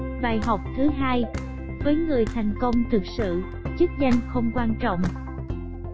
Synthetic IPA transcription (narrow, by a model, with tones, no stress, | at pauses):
ɓaː˨˩jɦə˨˩wk͡p̚t̪ʰɨ˨˦ɦaː˧j | vəː˨˦jŋɨ˨˩əjt̪ʰa˨˩jŋ̟kə˧wŋ͡mt̪ʰɨ˨˩k̚sɨ̰˧˨ | t͡ɕɨ˦˥k̚za˧jŋ̟xə˧wŋ͡mkwaː˧nt͡ɕɔ̰˧˨wŋ͡m